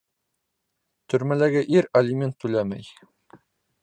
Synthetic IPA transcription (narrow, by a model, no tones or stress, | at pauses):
t̪ʰɵ̆ɾmælæɡɘʔiɾɐlʲɪmʲent̪ːʉlæmæ̰j